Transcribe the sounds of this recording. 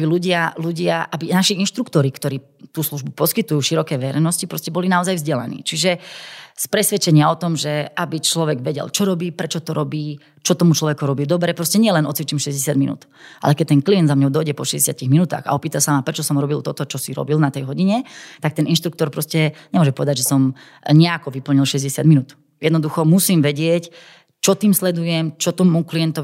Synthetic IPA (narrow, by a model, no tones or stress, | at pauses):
biluɟɪaluɟɪaʔabinaʃiinʃt̪ɾukt̪ɔɾikt̪ɔɾiː | t̪uːsluʒbupɔskit̪ujuːʃiɾɔkɛːʋɛɾɛ̰jnɔscipɾɔscɛbɔlinaɔzajvzɟɛla̰nḭːt͡ʃiʒɛspɾɛsʋɛt͡ʃɛɲɪaɔt̪ɔmʒɛabit͡ʃlɔʋɛɡʋɛɟɛ̰lt͡ʃɔɾɔbiːpɾɛt͡ʃɔt̪ɔɾʔɔbiː | t͡ʃɔt̪ɔmut͡ʃlɔʋɛkuɾɔbiːd̪ɔbɾɛpɾɔscɛɲɪɛlɛnɔt͡sʋit͡ʃiːmʃɛzɟɛsad̪minṵːt̪ | ʔa̰lɛkɛc̚t̪ɛnkliɛnd̪zamɲɔʊd̪ɔjɟɛpɔʃɛzɟɛsɪat̪iɣminut̪a̰ːxa̰ɔpiːt̪asamapɾɛt͡ʃɔsɔmɾɔbilt̪ɔt̪ɔt͡ʃɔsiɾɔ̰bilnat̪ɛjɦɔɟiɲɛt̪ak̚t̪ɛninʃt̪ɾuk̚t̪ɔɾpɾɔscɛɲɛmʊɔʒɛmpɔʋɛd̪aɟʒɛsɔm | ɲɛakɔʋipl̩ɲilʃɛzɟɛsɪad̪minuːt̪ | jɛd̪nɔd̪uxɔmusiːmʋɛɟɪɛc | t͡ʃɔt̪iːmslɛd̪ujɛmt͡ʃɔt̪ɔmuklijɛnt̪ɔ